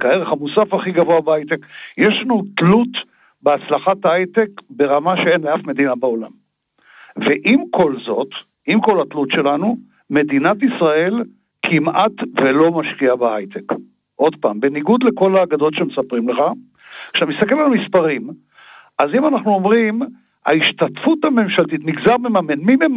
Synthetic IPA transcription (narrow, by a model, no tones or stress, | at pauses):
kaeʁeχhamusafaχiɡavoabaajt̪ekjeʃlanutlut | beat͡slaχat̪ajt̪ekbe̞ʁamaʃee̞nleafme̞d̪inabao̞la̰m | veʔimkʰo̞lzo̞t̪ | imko̞lat̪lutʃe̞lanu | me̞d̪inat̪isʁae̞l | kʰimat̪velo̞maʃkiabahajt̪ek | ʔo̞d̪pa̰ːmbe̞niɡud̪leko̞laːɡad̪o̞tʃemesapʁimleχa | kʃe̥t̪amist̪ake̞lalmispaʁim | ʔazimanaχnuo̞mʁim | ha̰iʃt̪atfut̪hame̞mʃalt̪it̪miɡzaʁmemamenmimem